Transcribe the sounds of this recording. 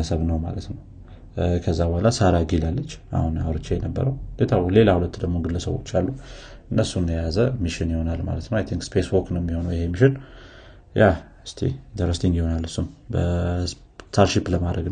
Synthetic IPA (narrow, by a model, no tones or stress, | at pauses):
əsəβnəwma̰lət̪nəw | kʰəzːabəhalasaɾaɡilalːət͡ʃːʔa̰huna̰βɾət͡ʃːejɛnəbːə̰ɾəwd̪et̪ʰawle̞lahulət̪ːd̪əɡmoɡɨlːəsəβwo̞̰t͡ʃːalːuɨnːəsund̪əjazəmiʃɪnjiho̞nalma̰lət̪nəwajt̪ʰiŋkspʰeswoɾknəwjɛmːiho̞nəwjɪhemiʃɪn | ja | ɨst̪ʰḛd̪əɾəst̪ʰiŋjiho̞nalːɨsːumbə | st̪ʰaɾʃipləmad̪ɾəɡn